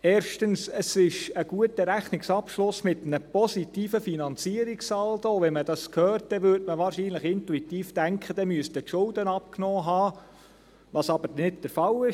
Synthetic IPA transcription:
ɛːɾʃtənsəsɪʃəɡ̥uətəɾæχnɪksɑpʃlʊsmɪtnəpɔsitiːfəfinɑnt͡siəɾiksɑltoʋɛmədɑskʰhœːɾt̚dɛʋʏɾdməʋɑːɾʃiːnləχɪntuitiːfd̥æŋkχəd̥ɛmyəstətʃʊldənɑp̚knɔːɦɑː | ʋɑsɑb̥əɾnɪtd̥əɾfɑlɪʃ

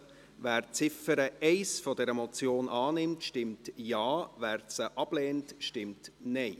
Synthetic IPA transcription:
væːɾt͡sɪfəɾəɛɪsfɔdɛɾəmɔt͡sjoːnʔɑːnɪmtʃtɪmtjɑːvæːɾsəʔɑb̥leːntʃtɪmtnɛɪ

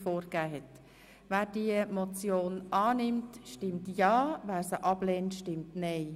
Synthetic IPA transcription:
foːɾɡæːɦɛt | væːɾdiəmot͡sjoːnʔɑːnɪmtʃtɪmtjɑːvæːɾsəʔɑbleːntʃtɪmtnɛɪ

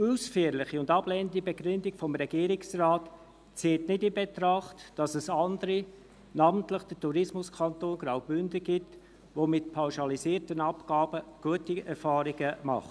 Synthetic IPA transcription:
usfyəɾlɪχiʊndɑblɛnəndibeɡɾʏndikfɔmɾɛɡ̥iːɾɪksrɑːt | t͡seːtnɪdɪnbet̪ɾɑχtd̥ɑsɛsɑndəɾi | nɑːməntləχd̥ətuɾɪsmʊskʰɑntoːnɡɾaʊbʏndəɡ̥ɪt | ʋomɪtpʰawʃɑlisiːəɾtənɑpkɑːb̥əɡ̥uətiɛɾfɑːɾɪɡəmɑ̰χt

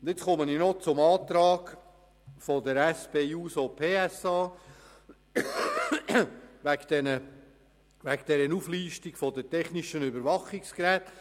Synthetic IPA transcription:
ʊnd̪ɪt͡sχɔməninɔt͡sʊmɑːt̪ɾɑːɡ | fɔd̪əɾɛspeːuːsopʰeːɛsɑː | vækd̪̥ɛnə | ʋækd̪̥ɛɾənufliːʃtikfɔd̪ətɛχniʃənʏbəɾʋɑχikskɾɛːt

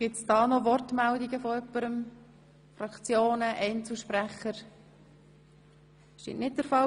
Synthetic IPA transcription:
ɡ̥ɪtsd̥ɑːnɔʋɔrtmældiɡəfɔœpːəɾəm | fɾɑkt͡sjoːnəʔɛɪnt͡sl̩ʃpɾæχəɾ | ʃtḭnʔnɪt̚d̥əɾfɑ

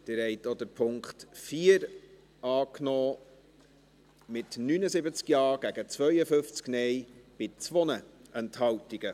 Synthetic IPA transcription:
d̪̥ɪɾɛjtod̪əɾpʰʊŋkχtfiːəɾ | ɑːknɔː | mɪtnyːnəzɪbət͡skjɑːɡ̥æɡət͡svœɥəfʏft͡sknɛjb̥ɪt͡sʋɔnəʔɛnthɑltiɡ̥ə

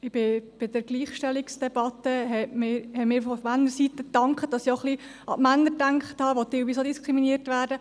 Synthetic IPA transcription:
ɪb̥ɪb̥ɪd̥əɾɡliːχʃtɛliksd̥ɛb̥ɑt̪əɦɛmɪːɾhɛmɪːɾfɔmænːəɾsit̪ət̪ɑŋkχəd̥ɑsioχliʔɑ̰ʔmænːəɾdæŋkχət̪hɑːʋotɪlʋiːs̬odiskʁiminiətʋæːɾdə

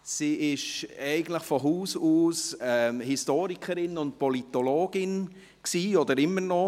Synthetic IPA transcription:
siːɪʃɛɪɡən̩tləχfɔɦuːsuːsɛmhistoːɾikʰəɾɪnʊnt̚pɔlitɔloːɡ̥ɪn | ksiːɔdəɾɪmːənɔ

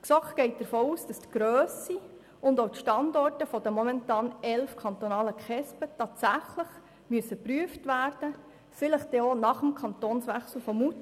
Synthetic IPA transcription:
ksɔkɡ̥ɛɪt̚d̥̪əɾfoːuːsd̥ɑstɡ̥ɾøːsi | ʊndoʊtʃtɑndɔrtəfɔdəmɔmɛntɑːnɛlfkʰɑnt̪ɔnɑːləkχɛspətɑːtsæχləχ | myəsəpɾyəftʋæːrd̥ə | fɪləχd̥ɛonɑχəmkʰɑntoːnsʋɛχsl̩fɔmut

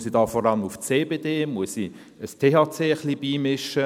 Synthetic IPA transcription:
sidɑːfɔɾɑlmuft͡seːbeːdeːmuəsi | əstʰeːhɑːt͡seːəχliːbiːmɪʃə

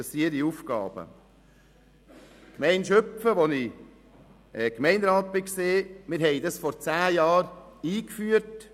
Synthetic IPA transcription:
əsiəɾiufkɑ̰ːb̥ə̰ | kmɛɪnʃœpfəʋɔnɪ | ʔɛkmɛɪnɾɑːt̪̚bɪkseːmɪɾɦɛɪdɑsfɔɾt͡sæːjɑːɾiːkfyːəɾt

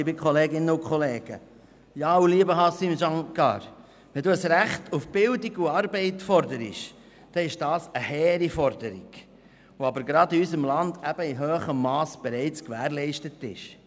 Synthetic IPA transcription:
bikχɔleːɡɪnːəʊkχɔleːɡ̥ə̰ | jɑːwliəbəɦɑsimʃɑŋkɑ̰ːɾ | ʋɛnduːəsɾæχtʰufb̥ɪldiɡuɑːɾbɛɪtfɔɾdəɾɪ̰ʃ | d̥ɛɪʃd̥ɑːsəhɛːɾifɔɾdəɾḭɡ̥ | ʋoɑbəɾɡɾɑd̪iysəmlɑndæb̥əiɦøːχəmːɑːsb̥ɛɾɛɪt͡skʋæːɾlɛɪʃtətɪ̰ʃ

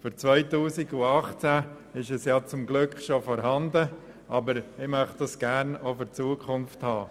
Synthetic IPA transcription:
fʏɾt͡svœʏtuːsiɡʊɑχt͡sæ | ɪʃɛsjɑt͡sʊmɡlʏkχʃofoːɾɦɑnd̪ə | ʔɑbəɾɪmœχd̪̥ɑsɡ̥æːɾnofʏɾt͡suəkʰχʊnfthɑː

